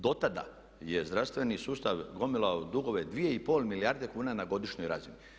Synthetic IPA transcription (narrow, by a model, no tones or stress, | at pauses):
d̪o̞t̪ad̪a̰ | jezd̪ɾaʋst̪ʋe̞nisuːst̪aʋɡo̞milˠaod̪uɡo̞ʋed̪ʋije̞ipo̞ːlmilijaɾd̪ekuːnanaɡo̞d̪iʃɲo̞jɾazini